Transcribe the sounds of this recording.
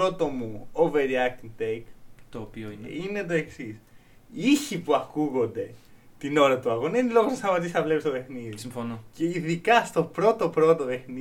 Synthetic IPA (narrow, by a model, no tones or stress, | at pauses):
ot̪o̞muoveɾiɐk̚t̪iŋt̪ejkt̪oːpioin̰ine̞t̪̬o̞e̞ksisiçipuɐkuɣo̞nd̪e̞t̪ino̞ɾɐt̪uɐɣonenilo̞ɣosɐst̪ɐmɐt̪̬isɐvlepist̪ope̞xniðisiɱfonoceiðikɐst̪o̞pɾo̞t̪o̞pɾo̞t̪ope̞xni